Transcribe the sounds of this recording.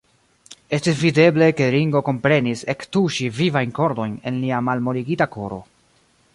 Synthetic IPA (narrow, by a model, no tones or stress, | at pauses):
e̞stisvide̞ble̞ke̞ɾiŋɡo̞ko̞mpɾe̞nise̞ktuʃivivajnko̞ɾdo̞jne̞̰nliamalmo̞ɾiɡitako̞ɾo̞̰